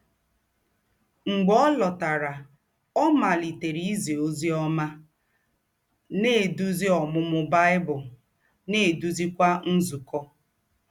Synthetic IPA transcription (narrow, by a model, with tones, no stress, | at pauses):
ŋ͡m̩˨ɡ͡bɔ˦lɔ˨ta˨ɾa˨ | ɔ˦ma˨li˨te˨ɾi˦i˦ze˨o˦zi˦ɔ˦ma˦ | ne˦˨du˦zi˦ɔ˨mʊ˦mʊ˦ba˦ɪ˦bʊ˨ | ne˦˨du˦zi˦kʷa˦n̩˦zu˨kɔ˦